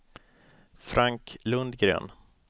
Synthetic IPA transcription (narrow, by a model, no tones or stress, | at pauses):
fɾʔaŋklɵnd̪ɡɾø̰ːn